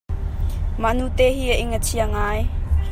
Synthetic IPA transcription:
manut̪eːɦiːəʔɪŋət͡sʰiəŋaːj

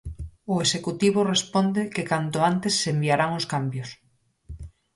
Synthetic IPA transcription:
ʊesekut̪iβ̞ʊrespɔnd̪ekekant̪ʊant̪esːembiaɾaŋʊskambjʊs

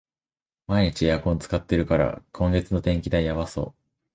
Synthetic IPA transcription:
maiɲ̟it͡ɕijakõ̞nt͡sɨ̥kat̪ːe̞ɾɯ̟kaɾa̰kʰõ̞ŋɡe̞t͡sɨno̞t̪ẽ̞ŋkʲid̪aijaβaso̞̰ː

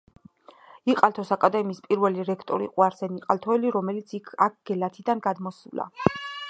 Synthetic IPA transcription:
iqʼalt̪ʰɔsakʼad̪ɛmiːspʼiɾvɛliɾɛkʰt̪ʼɔɾḭqʼuaɾsɛniqʼalt̪ʰɔɛliɾɔmɛlit̪sʰikʰak̚ʰɡ̥ɛlat̪ʰid̪anɡad̪mɔsula̰

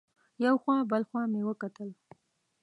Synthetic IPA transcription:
jawxwɑbəlxwɑmewəkat̪əl

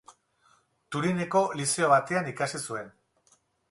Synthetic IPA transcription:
t̪uɾine̞ko̞lise̞o̞βat̪e̞anikasisue̞n

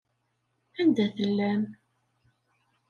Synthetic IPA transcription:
ænd̪æθəlːæm

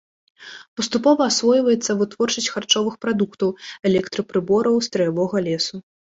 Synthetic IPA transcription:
pɐst̪upɔvɐːsvɔjvɐjɛt̪sːɐvɨt̪vɔrt͡ʂɐsʲtʲxart͡ʂɔvɨxpɾad̪ukt̪ɐwɛlʲɛkt̪ɾɨpɾɨbɔɾɐwst̪ɾɐjavɔɣɐlʲɛsu

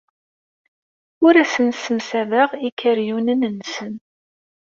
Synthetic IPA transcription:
ʊɾæsənsəmsævəʁikʰːəɾjunənənːsən

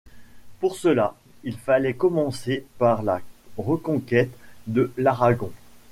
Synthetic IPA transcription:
puʁsəla | ilfalɛkɔmɑ̃sepaʁlaʁəkɔ̃kʲɛt̪d̪əlaʁaɡɔ̃

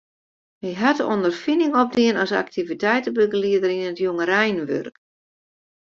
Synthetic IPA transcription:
ʋiɦatəɔndərfinɪŋɔp̚diənɔsa̰k̚tivitɛjtəbəɡəliədərinətjoŋərɛjnʋø̰rk

